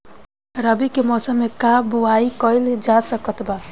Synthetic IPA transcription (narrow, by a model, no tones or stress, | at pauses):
ɾəbikemɔsəmːekabuaikʌild͡ʒasəkət̪ba